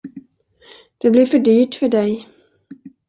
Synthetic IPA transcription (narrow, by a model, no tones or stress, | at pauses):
d̪̥ɛblɪɾfœɖyːʈfœɖɛj